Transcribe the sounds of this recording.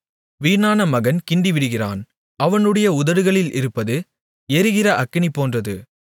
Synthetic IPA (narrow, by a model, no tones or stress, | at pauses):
ʋiːnaːnɐmɐɣɐnkɪɳɖɪʋɪɽɯɣɪra̰ːn | ɐʋɐnɯɽɐjɐʊðɐɾɯɣɐɭɪlɪ̰ɾɯpːɐðɯ | ɛɾɯɣɪrɐʔɐkːɪɳɪpːoːndrɐðɯ